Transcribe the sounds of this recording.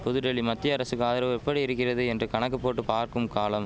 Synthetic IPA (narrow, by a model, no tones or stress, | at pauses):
pʊðɯɾɛɭimɐt̪ːɪjɐːɾɐsɯkaːðɐɾɐʋɛpːɐɽiɪɾɯkːɪrɐðɯɛndrɯkɐɳɐk̬ːɐpːoːʈːɯpaːɾkɯmkaːlɐm